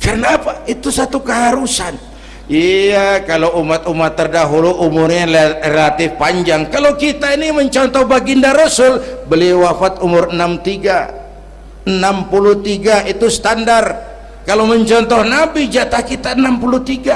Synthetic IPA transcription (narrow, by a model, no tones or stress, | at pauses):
kərnapait̪usat̪ukəɦaɾusan | iakalowumat̪umat̪ːərdaɦuluʔːmʊrɲarelat̪ɪfpaɲd͡ʒaŋkalowkit̪ainiməɲt͡ʃɔnt̪ɔhbaɡindaɾasʊlbəliwafat̪umʊrənamt̪iɡa | ənampulut̪iɡait̪ust̪andar | kaloməɲt͡ʃɔnt̪ɔhnabid͡ʒat̪ahkit̪aənampulut̪iɡa